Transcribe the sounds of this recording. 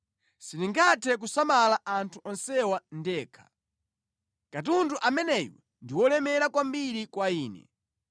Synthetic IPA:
siniŋɡatʰɛk̬usamalaʔantʰuʔɔnsɛwandɛːkʰḁ | katunduʔamɛnɛjwɛ̰ | ndiwɔlɛmɛɾakwambiɾikwaiːnɛ̰

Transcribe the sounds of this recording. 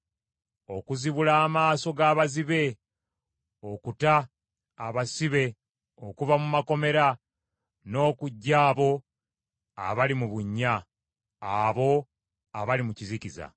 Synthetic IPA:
o̞kuziβulaːmaːso̞ɡaːβaziβe̞ | o̞kutaː | βasiβe̞ | o̞kuvamumako̞me̞ɾa | no̞ːkuɟːaːβo̞ | a̰βalimuβuɲːaː | βo̞ | aβalimuciziciza̰

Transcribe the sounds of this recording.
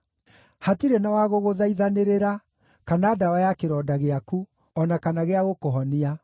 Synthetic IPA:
hatiɾenawaɣoɣoðaiðaneɾeɾa | kanaːdawajakeɾɔːdaɣeaku | ɔnakanaɣeaɣokoɦɔnia

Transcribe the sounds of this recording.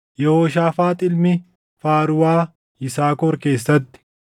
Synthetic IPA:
jɛhoːʃaːfaːt̪ʼɪlmɪ | faːɾʊwaː | ɪsaːkɔɾke̞ːs̬ːɐt̪ːɪ̥

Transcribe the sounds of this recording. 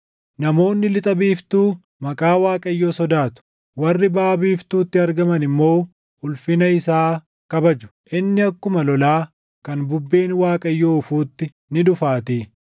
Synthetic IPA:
nɐmo̞ːnːɪlɪt̪ʼɐbiːft̪uː | mɐkʼaːwaːkʼɐjːoːsɔd̪aːt̪ʊ̥ | wɐrːɪbaːbiːft̪uːt̪ːɪɐɾɡɐmɐnɪmːo̞ː | ʊlfɪnɐɪsaː | kɐbɐd͡ʒʊ̥ʔɪnːɪɐkːʊmɐlɔlaː | kɐnbʊbːe̞ːnwaːkʼɐjːoːʊfuːt̪ːɪ | nɪᶑʊfaːt̪eː

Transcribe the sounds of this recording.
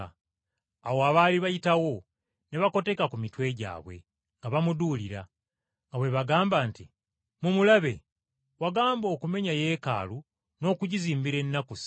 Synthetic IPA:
awoaβaːliβajitawo̞ | ne̞βako̞te̞kakumitwe̞ɟa̰ːβwe̞̰ | ŋɡaβamuduːliɾa | ŋɡawe̞βaɡaːmbaːnti | mumulaβe̞̰ | waɡaːmbo̞ːkume̞ɲaje̞ːka̰ːlu | no̞ːkuɟiziːmbiɾe̞nːakusi̥

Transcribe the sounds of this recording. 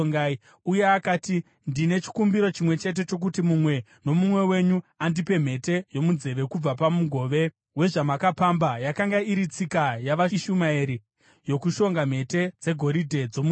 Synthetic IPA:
ŋɡai | uje̞akaːti | ndine̞t͡ʃi̥kumbiɾo̞t͡ʃimwe̞t͡ʃe̞t̬e̞t͡ʃo̞k̬utimumwe̞ | no̞mumwe̞we̞ɲuandipe̞m̤e̞te̞jo̞munze̞ʋe̞kub͡vap̬amuɡʱo̞ːʋe̞ | we̞ʐamakapambajakaŋɡaiɾit͡sikajaʋaʃumaeɾi | jo̞kuʃo̞ŋɡam̤e̞te̞d͡ze̞ɡʱo̞ɾidʱe̞d͡zo̞mu

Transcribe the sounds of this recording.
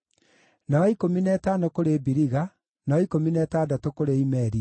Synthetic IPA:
naɔikominɛtaːnokoɾebiɾiɣa | naɔikominɛtaːdatokoɾeimɛɾi

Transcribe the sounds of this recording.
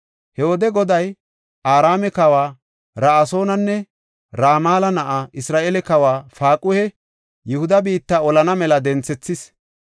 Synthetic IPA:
hɛwɔd̪ɛɡɔd̪ɐj | ʔaːɾaːmɛkɐwaː | ɾaːso̞ːnɐnːɛ | ɾaːmaːlɐnɐʔaʔɪsɾaːʔelɛkɐwaːfaːkʼʊhɛ | jʊhʊd̪ɐbiːt̪ːɐɔlɐnɐmɛlɐd̪ɛnt͡sɛt͡sːɪs

